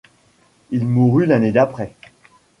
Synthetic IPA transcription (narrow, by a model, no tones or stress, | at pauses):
ilmuʁylaned̪apχɛ